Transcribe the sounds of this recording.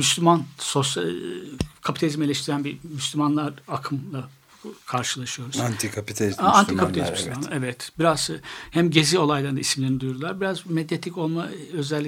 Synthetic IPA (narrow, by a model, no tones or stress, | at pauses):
myslʲymansosja | kʰapi̥t̪ʰalʲizme̞lʲɛʃt̪ʰiɾænbimyslʲymanlˠaɾakʰɯmlˠa | kʰaɾʃɯlˠaʃɯjoɾuz̥ant̪ʰikʰapit̪ʰalʲizaant̪ʰikʰapit̪alʲzmyslʲymanˠaɛvɛt̪biɾaz̥ɯhæmɟe̞zio̞lˠajlˠaɾɯnd̪aismlʲe̞ɾinid̪ujuɾd̪ulˠaɾbiɾazmed̪jet̪ʰico̞lˠmaø̞zɛlʲːi